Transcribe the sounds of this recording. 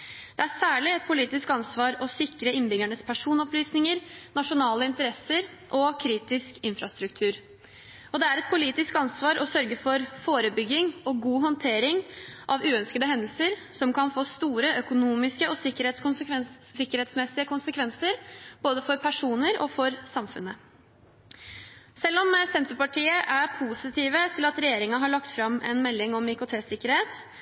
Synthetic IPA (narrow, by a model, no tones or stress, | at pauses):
d̪̥ɛæɾsæːɭɪɛt̪̚pʰʊliːt̪ɪskɑnsʋɑːɾɔsɪkɾəɪnbʏɡæɳəspʰæʂuːnɔplyːsnɪŋəɾnɑʂʊnɑːləɪnt̪əɾɛsəɾ | ʔɔkʰɾiːt̪ɪskɪnfɾɑst̪ɾʉkt̪ʰʉːɾ | ɔd̪ɛæɾɛt̪̚pʰʊliːt̪ɪskɑnsʋɑːɾɔsœɾɡəfɔɾfoːɾəbʏɡːɪŋɔɡuːɦɔnt̪ʰeːɾɪŋʔɑʋʉːœnskəd̪əɦɛnd̪əlsəɾsɔmkɑnfoːst̪uːɾəʔœkʊnuːmɪskəɔsɪkːəɾheːt̪skʊnsəkʰʋɛsɪkːəɾheːt̪smɛsɪəkʰʊnsəkʰʋɛnsəɾb̥oːd̪əfɔɾpʰæʂuːnəɾɔ̰fɔɾsɑmfʉ̰nːə | sɛlːɔmsɛnt̪əpɑʈiːəʔæpʰuːsɪt̪ʰiːʋət̪ʰɪlɑt̪ɾɛjeːɾɪŋɑɦɑɭɑkt̪fɾɑmɛ̰nmɛlːɪŋɔmɪkʊt̪ʰeːsɪkːəɾheːt̪